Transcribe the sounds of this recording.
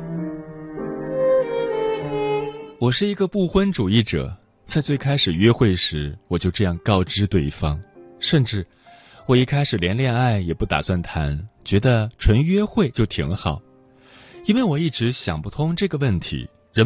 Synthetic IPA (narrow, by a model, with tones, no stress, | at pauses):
wɔ˨˩ʂɻ̩˥˩i˧˥ɡə˧pu˥˩xwə˥nʈ͡ʂu˨˩i˥˩ʈ͡ʂɤ̰˨˩˦ | t͡sa˥˧ɪt͡swe˥˩ɪkʰa˥ɪʂɻ̩˨˩ɥɛ˥xwe˥˩ɪʂɻ̩˧˥wɔ˨˩t͡ɕjo˥˧ʊʈ͡ʂɤ˥˧jɑ˥˧ŋkɑ˥˧ʊʈ͡ʂɻ̩˥t̪we˥˩ɪfɑ˥ŋʂə˥˧nʈ͡ʂɻ̩˥˩ | wɔ˨˩i˥˩kʰa˥ɪʂɻ̩˨˩ljɛ˧˥nljɛ˥˧na˥˩ɪjɛ˨˩pu˥˩t̪a̰˨˩swa˥˩nt̪ʰa̰˧˥nt͡ɕɥɛ˧˥d̪ə˧ʈ͡ʂʰwə˧˥nɥɛ˥xwe˥˧ɪt͡ɕjo˥˩ʊt̪ʰḭ˧˥ŋxɑ˨˩˦ʊ | i˥nwe˥˩ɪwɔ˨˩i˥˩ʈ͡ʂɻ̩˧˥ɕjɑ̰˨˩ŋpu˥˩t̪ʰʊ˥ŋʈ͡ʂɤ˥˩ɡə˩wə˥˩nt̪ʰḭ˧˥ | ɻə˧˥